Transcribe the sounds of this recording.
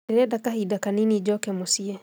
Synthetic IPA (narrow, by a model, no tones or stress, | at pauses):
ɛɾɛdakahidakaninid͡ʒɔkɛmosiɛ